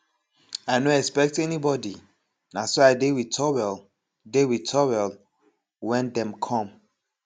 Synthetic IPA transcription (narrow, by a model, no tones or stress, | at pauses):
aɪnoɛkspɛk̚tɛnibɔdi | nasoaɪdewitʰɔwɛl | dewitʰɔwɛl | wɛ̃ndɛ̃mkʰɔ̃m